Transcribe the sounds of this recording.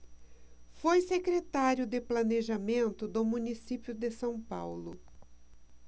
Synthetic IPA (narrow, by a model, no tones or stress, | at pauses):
fojsekɾet̪aɾjʊd̪ɪplɐneʒamẽnt̪ʊd̪ʊmũnisipjʊd̪ɪsɐ̃w̃pawlʊ